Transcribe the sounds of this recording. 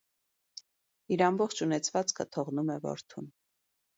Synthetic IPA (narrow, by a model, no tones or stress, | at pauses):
iɾɑmbɔχt͡ʃʰunɛt͡sʰvɑt͡skʰət̪ʰɔʁnumɛvɔ̰ɾt̪ʰun